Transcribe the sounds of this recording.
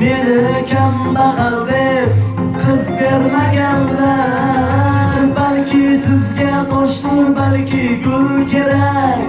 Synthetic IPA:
benɪɾekʲʰamb̪ɑʁɑɾd̪e | qʰəzbeɾmaɡʲanːa | ɾbalkʲʰɪsɪzɡʲad̪oʃlˠuɾbalkʲɪkʲʰɵɾkʲʰe̞ɾekʲ

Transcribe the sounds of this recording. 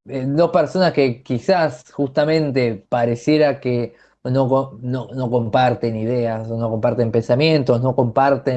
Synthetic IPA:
d̪o̞hpeɾso̞naske̞kisasxust̪amẽ̞nt̪e̞paɾesje̞ɾake | no̞konono̞ko̞mpaɾt̪e̞nið̞e̞asonoko̞mpaɾt̪e̞mpe̞nsamjẽ̞nt̪osno̞ko̞mpaɾt̪e

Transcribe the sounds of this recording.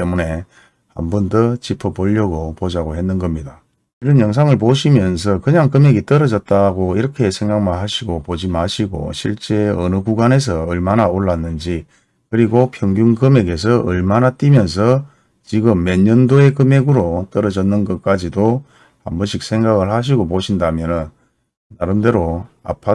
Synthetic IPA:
temune̞ | ha̰mbundɯt͡ɕipʰʌpoʎːʌɡopod͡ʑaɡoɦe̞nːɯnɡʌmɲida | iɾʌnjʌŋs̬ʰaŋɯɭpoɕʰimjʌns̬ʰʌkɯɲaŋkɯme̞ɡit͈ʌɾʌd͡ʑʌt̚t͈aɡoiɾʌkʰe̞sʰe̞ŋɡaŋmanɦaɕʰiɡopod͡ʑimaɕʰiɡo̰ɕʰiɭt͡ɕ͈e̞ʌnɯkuɡanes̬ʰʌːɭmanaoɭːanːɯnd͡ʑi | kɯɾiɡopʰjʌŋɡjuŋkɯme̞ɡe̞s̬ʰʌʔɯɭmanat͈imjʌns̬ʰʌ | t͡ɕiɡɯmːeɲːʌndoe̞kɯme̞ɡɯɾot͈ʌɾʌd͡ʑʌnːɯnɡʌt̚k͈ad͡ʑido | ambʌɕʰik̚sʰe̞ŋɡaɡɯɭhaɕ̬ʰiɡopoɕʰindamjʌnɯnː | aɾɯmde̞ɾo | a̰pʰa

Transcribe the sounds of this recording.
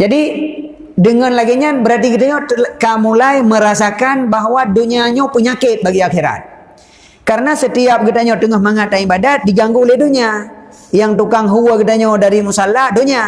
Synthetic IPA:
d͡ʒadi | dəŋanlaɡiɲabəɾart̪ikit̪aɲokamulajməɾasakanbaɦwaduɲiaɲapəɲakɪt̪̚baɡiaxiɾa̰t̪̚ | kaɾənasət̪iap̚ɡit̪aɲot̪əŋahmaŋat̪aibadat̪̚diɡaŋɡuolɛhduɲia | jaŋt̪ukaŋɦuwəkit̪aɲodaɾimusalahdoɲa

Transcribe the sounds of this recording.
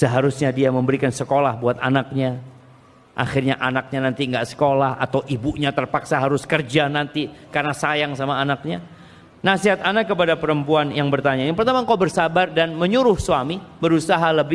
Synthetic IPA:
səɦaɾusɲadiaməmbəɾikansəkolahbuat̪anak̚ɲa | ʔa̰xɪrɲaʔanak̚ɲanant̪iŋɡaʔsə̥kolaha̰t̪awʔibuɲat̪ərpaksaɦaɾʊskərd͡ʒanant̪ikarnasajaŋsamaːnak̚ɲa | nasiɦat̪anakəpadapəɾəmpuanjaŋbərt̪aɲajaŋpəɾt̪amaŋkawbərsabardanməɲuɾʊhsuamibəɾusaɦaləbɪ

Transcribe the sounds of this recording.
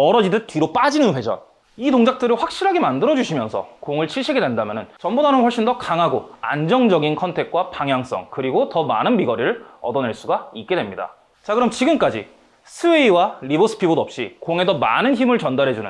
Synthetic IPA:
ʌɾʌd͡ʑidɯt͈ɥiɾop͈ad͡ʑinɯnɸwe̞d͡ʑʌ̰n | itoŋd͡ʑak̚t͈ɯɾiɸwak̚ɕ͈iɾɦaɡemandɯɾʌd͡ʑuɕʰimjʌnsʰʌ̰koŋɯɭt͡ɕʰiɭɕʰiɡedwendamjʌnɯnt͡ɕʌmbudanɯnɸwʌɭɕ͈indʌkaŋɦaɡoa̰nd͡ʑʌŋd͡ʑʌɡinkʰʌntʰe̞k̚k͈wapaŋɦjaŋs͈ʌ̰ŋkɯɾiɡotʌmanɯnmiɡʌɾiɾɯɭʌ̰dʌne̞ɭs͈uɡaik̚k͈e̞dwe̞mɲida̰ | t͡ɕakɯɾʌmt͡ɕiɡɯmk͈ad͡ʑḭ | sʰɯeiwaɾibosʰɯ̥pʰibodoʌp̚ɕ͈ikoŋe̞dʌma̰nɯnçimɯɭt͡ɕʌndaɾɦe̞d͡ʑunɯ̰

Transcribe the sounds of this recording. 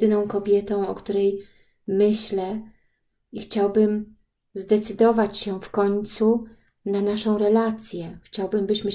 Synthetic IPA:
ɘnɔ̃w̃kɔbʲjɛt̪ɔ̃w̃ɔkt̪uɾɛj | mɘɕlɛ | ixt͡ɕawbɘm | zd̪ɛt̪sɘd̪ɔvat͡ɕɕɛfkɔɲt̪su | nanaʂɔ̃w̃ɾɛlat̪sʲjɛxt͡ɕawbɘmbɘɕmɘ

